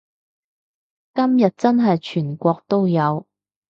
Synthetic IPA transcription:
kɐ˥mjɐ˨t̚t͡sɐ˥nɦɐ˨jt͡ʃʰyː˨˩nkʷɔː˧k̚t̪o˥wjɐ˨˧w

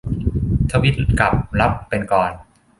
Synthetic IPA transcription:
t̪ʰaː˦˥wʔi˦˥t̪̚kla˨˩p̚la˦˥pːe˧nkɔː˨˧n

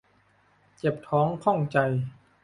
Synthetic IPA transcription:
t͡ɕe˨˩p̚t̪ʰɔː˩˦˥ŋkʰɔ˥˩ŋt͡ɕa˧j

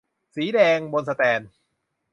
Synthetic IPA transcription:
siː˩˦dɛː˧ŋbo˧nsa˧t̪ɛː˧n

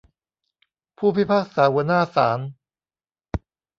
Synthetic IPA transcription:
pʰuː˥˩pʰi˦˥˩pʰaː˥˩k̚saː˩˦wɤ˧˦naː˥˩saː˩˦n

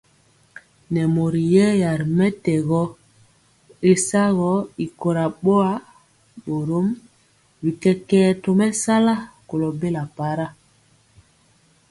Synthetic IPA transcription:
nɛ˨mo˨ɾi˨jɛ˦ja˨ɾmɛ˦tɛ˨ɣɔ˦ | e˦sa˦ɣɔ˦i˨ko˨ɾa˨ɓo˦a˦ | ɓo˨ɾo˦m | wi˨kɛ˦kɛː˦to˨mɛ˦sa˦la˦ko˨lɔ˨be˦la˨pa˨˦ɾa˦

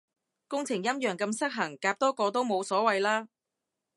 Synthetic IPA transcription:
kʊ˥ŋt͡sʰɪ˨˩ŋjɐ˥mjœː˨˩ŋkɐ˧msɐ˥k̚ɦɐ˨˩ŋkaː˧p̚t̪ɔː˥kɔː˧t̪̬o˥wmo˨˧wsɔː˨˥wɐ˨˧jlaː˥

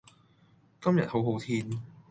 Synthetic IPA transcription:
kɐ˥mjɐ˨t̚ho˨˥wɦo˨˧˥wt̪ʰiː˧n

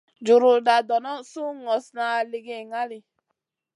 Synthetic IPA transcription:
d͡ʒu˨ɾu˨da˨dɔ˨nɔ˦su˦ŋɔ˨sna˨˧˨le˧ɡe˦˨ŋa˦ɾi˨

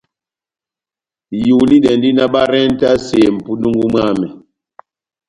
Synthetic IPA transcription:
ju˨li˦ɗɛ˨ndi˦na˦ɓa˦ɾɛ˦n˦ta˦se˨m̩˨pu˦nu˦ŋɡu˦mwa˦˨mɛ˨

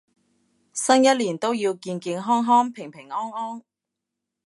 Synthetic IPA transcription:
sɐ˥njɐ˥t̚liː˨˩nt̪o˥wjiː˧wkiː˧nkiː˧nɦɔː˥ŋɦɔː˥ŋpʰɪ˨˩ŋpʰɪ˨˩ŋɔː˥ŋɔː˥ŋ

